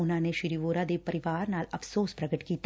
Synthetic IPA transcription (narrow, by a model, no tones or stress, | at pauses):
ʊnãːneʃɪɾiːʋoːɾad̪eːpɐɾɪʋaːɾnaːlɐfsoːspɾɐɡəʈkiːt̪